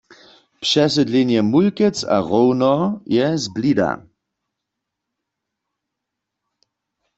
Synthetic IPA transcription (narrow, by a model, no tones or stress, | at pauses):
pʂɛs̬ɛdlenjɛmulkɛt͡sa̰ʁownɔjɛzblida̰